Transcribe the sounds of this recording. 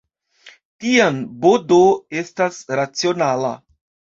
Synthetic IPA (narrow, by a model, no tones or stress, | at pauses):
tianbo̞do̞e̞stasɾat͡sio̞nala̰